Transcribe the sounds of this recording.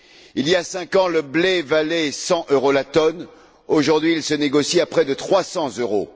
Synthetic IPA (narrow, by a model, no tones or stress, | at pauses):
ilijasɛ̃kɑ̃ləblɛvalɛsɑ̃ʔøʁolat̪ɔn | oʒuʁd̪ɥiːlsəneɡɔsiapχɛd̪ət̪χwasɑ̃zøʁo̰